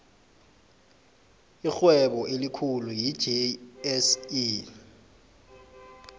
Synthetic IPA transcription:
ixwɛɓɔʔelikʰuluji̥d͡ʒʱiɛsi

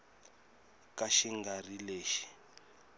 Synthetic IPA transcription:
kaʃiŋɡarileːʃi̥

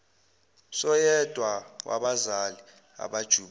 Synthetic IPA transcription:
sɔjɛd̥ʱwawʔa̰ɓazali | a̰ɓad̥ʒ̥ʱuːɓ

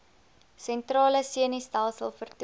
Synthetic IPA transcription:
sɛntrɑːləsiənistælˠsə̰lˠfərt

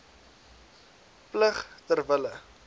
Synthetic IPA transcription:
pləχtərvələ

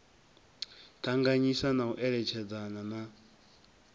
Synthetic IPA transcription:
tʰaŋɡaɲisanauʔɛɺɛt͡ʃʰɛd͡zanana

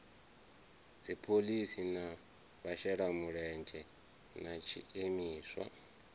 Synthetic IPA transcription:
d͡zipʰolisina | βaʃɛɺamuɺɛnd͡ʒʱʼɛ | nat͡ʃʰḭemiːswa̰

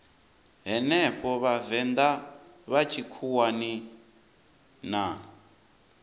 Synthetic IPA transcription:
ɦɛnɛɸʰɔβavɛnd̪a | βat͡ʃʰikʰuwani | na

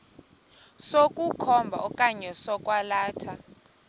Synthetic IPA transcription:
sokʼukʰɔmbʱa̰ɔkʼaɲɛsɔkʼwalaːtʰa

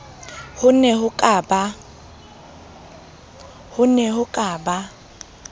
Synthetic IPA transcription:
hʊnɛhʊkʼaːba | hʊnɛhʊkʼaːba

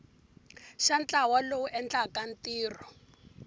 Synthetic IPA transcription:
ʃant͡ɬʼawalouʔɛnt͡ɬakan̩tiːrɔ

